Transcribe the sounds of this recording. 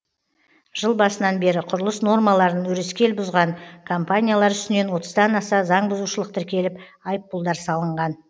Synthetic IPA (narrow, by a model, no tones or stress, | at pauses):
ʒ̥əlˠbɑsənɑnbe̞ɾɪqʰʊɾəlˠəsno̞rmɑlˠɑɾənwɵɾeskʲe̞lbʊzʁɑɴkʰompanʲijalˠɑɾʏst̪ɪne̞nwo̞t̪əzd̪ɑnɑsɑzɑɴbʊzuʃəlˠəq̚t̪ʰɪɾkʲe̞lɪpɑjpːʊlˠd̪ɑɾsɑlˠəɴʁɑn